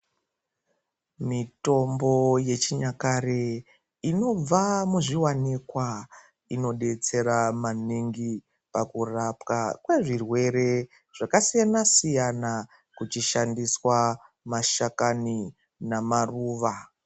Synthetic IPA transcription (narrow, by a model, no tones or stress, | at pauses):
mito̞mbo̞je̞t͡ʃiɲakare | ino̞b͡vamuʐiwanikwa | ino̞ɗe̞t͡se̞ɾamaniŋɡi | pakurapkakwe̞ʐirwe̞ɾe̞ | ʐ̥akasijanasijana | kut͡ʃiʃandiswa | maʃakani | namaruːʋa